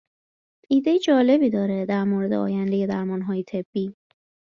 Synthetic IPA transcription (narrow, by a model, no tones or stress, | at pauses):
ʔiːd̪ejed͡ʒɒːle̞biːd̪ɒːɾe̞d̪æɾmoːɾe̞d̪eɒ̰ːjænd̪e̞je̞d̪æɾmɒːnɦɒːjet̪ʰe̞b̥ːiː